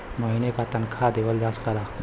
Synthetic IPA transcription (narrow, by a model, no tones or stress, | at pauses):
məɦinekat̪ənkʰad̪ebəld͡ʒaskaɾa